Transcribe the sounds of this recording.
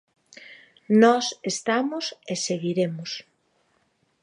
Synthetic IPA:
nɔsest̪amoseseɣiɾemʊs

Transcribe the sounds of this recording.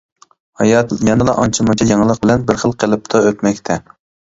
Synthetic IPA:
hɑjɑjɑnɨlˠɑʔɑ̰nt͡ʃʰɨmɑt͡ʃʰɑjɑŋlˠəq̚bɪlɛnbɪɾχəlˠqʰəlˠɨp̚t̪ʰɑøt̪mɛkʲt̪ʰɛ

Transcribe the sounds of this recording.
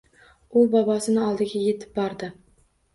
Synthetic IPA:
ʊbɒbɒsɪnɪɒlˠd̪ɪɡʲaje̞t̪ʰɪ̥p̚bɒɾd̪ɪ

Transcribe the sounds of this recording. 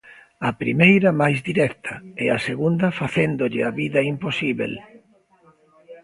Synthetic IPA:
ɐpɾḭmejɾɐmajzd̪iɾɛkt̪ʰɐɛaseɣund̪ɐfaθend̪oʎɪaβiðɐimposiβḛl

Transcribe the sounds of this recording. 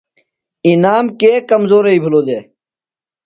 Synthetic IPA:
inaːmkeːkɐmzoːɾɐiːbʱuloːd̪eː

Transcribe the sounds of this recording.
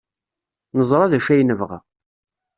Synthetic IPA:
nəzˤɾˤɑðæʃæjnəvʁa̰

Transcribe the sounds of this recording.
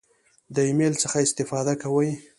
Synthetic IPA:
d̪əimelt͡səxaɪst̪ɪfɑd̪akawəj

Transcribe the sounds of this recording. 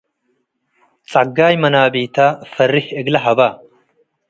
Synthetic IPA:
t͡sʼɐɡːaːjmɐnaːbiːt̪aːfɐrːɪhɛɡlɐɦɐbaː

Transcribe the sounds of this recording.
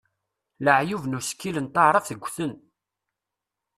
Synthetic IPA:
ləʕjuvnuskːilənt̪ˤːɑɾˤɑfθəɡʷːθən

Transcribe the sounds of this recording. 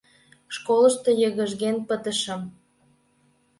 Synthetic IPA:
ʃkolə̆ʃt̪ɤjəɣəʒɣenpət̪əʃə̆m

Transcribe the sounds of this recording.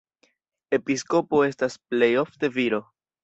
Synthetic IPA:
e̞pisko̞po̞e̞stasple̞jo̞fte̞viɾo̞

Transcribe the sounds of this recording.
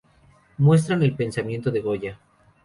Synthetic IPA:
mwe̞s̬t̪ɾane̞lpe̞nsamje̞nt̪oðeɣo̞ʝa

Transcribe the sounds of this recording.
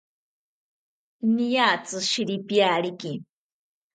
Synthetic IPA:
nijaːt͡sɨʃiɾipjaːɾiki

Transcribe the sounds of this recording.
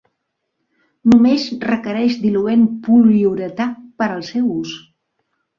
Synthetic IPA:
numezrəkəɾɛʃd̪iluenpuliuɾət̪apəɾəlˠsɛwus

